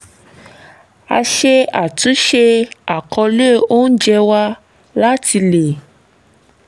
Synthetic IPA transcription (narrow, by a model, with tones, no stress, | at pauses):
a̰˧ʃe˧a˨tũ˨˦ʃe˧a˨kʰɔ˧le˦˨o˦n̩˦d͡ʒɛ˧wa˦ | la˦ti˧le˨